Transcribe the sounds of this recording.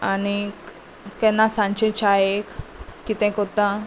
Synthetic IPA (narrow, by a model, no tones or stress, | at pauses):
ani | kɛ̃nːasãɲt͡ɕẽt͡ɕʰajekkit̪ɛ̃kɔt̪ã